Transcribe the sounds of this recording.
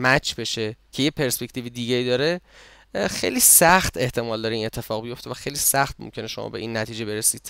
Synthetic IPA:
mæt͡ʃʰbe̞ʃecʰe̞jepʰe̞ɾspe̞cʰt̪iːvid̪iːɟeiːd̪ɒːɾe | xḛjliːsæxt̪ʰe̞ht̪ʰe̞mɒːld̪ɒːɾeiːne̞t̪ʰːe̞fɒːɣbijo̞ft̪evæxejliːsæxt̪̚mo̰mcʰe̞ne̞ʃo̞̰mɒ̰ːbe̞ʔiːnːæt̪ʰiːd͡ʒe̞be̞ɾesiːd̪̥

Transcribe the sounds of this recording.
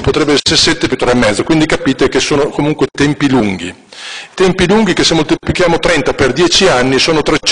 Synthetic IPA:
pot̪ɾɛbːeɛsːeɾesɛt̪ːepjut̪ːoːɾaemːɛd̪ːokwind̪ikapiːt̪ek̟esoːnokomuŋkwet̪ɛmpiluŋɡḭ | t̪ɛmpiluŋɡikesemːolt̪iplik̟jaːmot̪ɾɛnt̪aperd̪jɛːt͡ʃianːisoːnot̪ɾet͡ʃ

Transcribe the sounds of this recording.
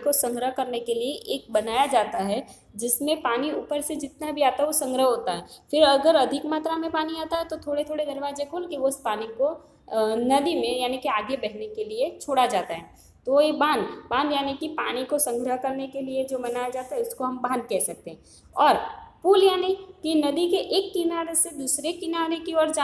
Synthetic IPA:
kosɐ̃ŋɡɾəɦkɐɾnekelieʔeːk̚bɐnaːjad͡ʒaːt̪aɦɛ | d͡ʒɪsmẽpaːniuːpəɾsed͡ʒɪt̪nabʱiaːt̪aɦɛʋosɐ̃ŋɡɾəɦɦoːt̪aɦɛfɪɾɐɡəɾɐd̪ʱɪkmaːt̪ɾamẽpaːniaːt̪aɦɛt̪ot̪ʰoːɽet̪ʰoːɽenɪɾʋaːd͡ʒekoːlkiʋoɪspaːniko | nɐd̪imẽjaːnikiaːɡjebɛɦnekeliet͡ʃʰoːɽad͡ʒaːt̪aɦɛː | t̪oojebãːnd̪bãːnd̪jaːnikipaːɽ̃ikosɐ̃ŋɡɾəɦkɐɾnekelied͡ʒoːmɐnaːjad͡ʒaːt̪aɦɛʊskoɦɐ̃mbãːnd̪̚kɛɦsɐk̚t̪eɦɛ̃ | ɔːɾpuːljaːnikinɐd̪ikeʔeːkːɪnaːɾesed̪uːsɾekɪnaːɾekiɔːɾd͡ʒa

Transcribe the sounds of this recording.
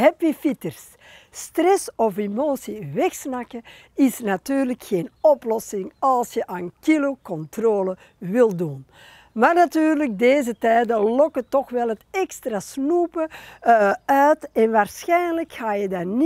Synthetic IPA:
ɦɛpifitərs | strɛsɔfemoːsiʋɛxsnakə | ɪsnatyːrləkxeːnɔplɔsɪŋɑlˠsjəʔaːnkilokɔntroːlə | ʋɪlˠdun | maːrnatyːrlək̚deːzətɛːdəlɔkətɔxʋɛlˠɦətɛkstrasnuːpə | œɥtɛnʋaːrsxɛjnləkxaːjədarn

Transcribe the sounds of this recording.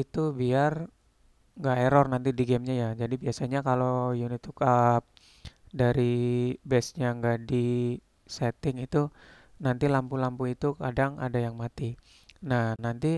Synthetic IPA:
it̪ubiar | ŋɡaeɾɔrnant̪idiɡɛmɲajad͡ʒadibiasaɲakalojunit̪ukap̚ | daɾibɛsɲaŋɡaʔdi | sɛt̪ɪŋit̪u | nant̪ilampulampuit̪ukadaŋa̰dajaŋmat̪i | nahnant̪i

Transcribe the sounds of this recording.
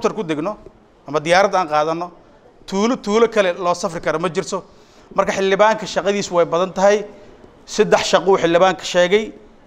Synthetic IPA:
t̪ʰɐrkʊd̪ɪɡnɔ | ʔɐmɐd̪ɪjaːɾɐd̪aːŋqɑːðɐnːɔ | t̪ʰuːlɔt̪ʰuːlɐkʰɐlɛlɔːsɐfrɪkʰɐɾɔmɐt͡ʃɪrt̪ʰɔ | mɐrkʰɐħɪld̪ɪβaːŋkʰɐʃɑqɑðiːswɛjbɐðɐnt̪ʰɐɦɛj | sɐd̪ɛħʃɑqɔʊħɪld̪ɪβaːŋkʰɐ̥ʃɛːɣɛj

